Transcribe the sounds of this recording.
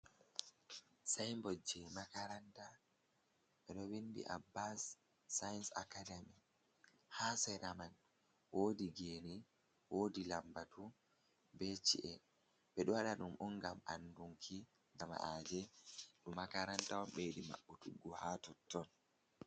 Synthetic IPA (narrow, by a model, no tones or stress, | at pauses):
sajmbɔd͡ʒɛmakaɾanta | ɓɛɗɔwindḭʔa̰bːasː | ajnsa̰kademi | haːsɛɾaman | woːdiɡeːni | wodilambatu | bet͡ʃḭʔɛ | ɓɛɗɔwaɗaɗumʔɔŋɡamʔa̰nduŋkʰi | ŋɡama̰ʔad͡ʒɛɗumakaɾantawɔmɓeɗima̰ɓːɔtuɡːɔhaːtɔtːɔn